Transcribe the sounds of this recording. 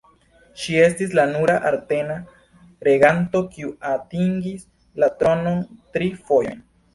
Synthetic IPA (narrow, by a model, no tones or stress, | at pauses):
ʃie̞st̪islanuɾaʔaɾt̪e̞na | ɾeɣant̪o̞kiuat̪iŋɡis | lat̪ɾo̞no̞nt̪ɾifojo̰jn